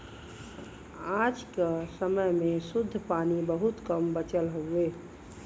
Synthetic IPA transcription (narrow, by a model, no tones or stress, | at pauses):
ad͡ʒkesəməjmesud̪ʱːpanibəɦut̪kəmbət͡ʃəlɦoe